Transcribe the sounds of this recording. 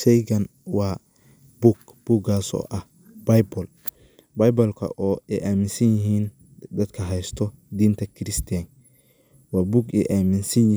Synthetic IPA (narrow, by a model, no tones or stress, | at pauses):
ʃɛjɡɐn | wɑː | buɡ | b̥uɡaːsɔ̰ːʔɐh | b̥ɐjbɔl | bɐjbɔlkʰɐ̰ʔɔːɛʔaːmɪnsɐnjɪɦiːn | d̪ɐd̪kʰɐɦɛjst̪ʰɔ | d̪iːnt̪ʰɐkʰɪɾɪst̪ʰiɐŋ | wɑːbuɡɛ̰ʔaːmɪnsɐnjɪ